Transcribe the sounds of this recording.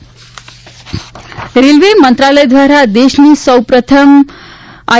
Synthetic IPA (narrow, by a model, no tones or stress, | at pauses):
ɾilʋemənt̪ɾaləjd̪ʋaɾad̪eɕnisəwpɾət̪ʰəm | a